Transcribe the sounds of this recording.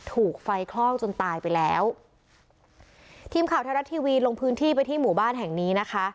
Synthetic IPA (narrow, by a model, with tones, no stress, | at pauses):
t̪ʰuː˨˩k̚fa˧jkʰlɔ˥˩wt͡ɕo˧nt̪aː˧jpa˧jlɛː˦˥w | t̪ʰiː˧mkʰaː˨˩˦wt̪ʰa˧ɾa˦˥t̪ʰːiː˧wiː˧lo˧ŋpʰɯː˦˥nt̪ʰiː˥˩p̬a˧jt̪ʰiː˥˩muː˨˩˦baː˥˩nɦɛ˨˩ŋniː˦˥na˦˥kʰa˦˥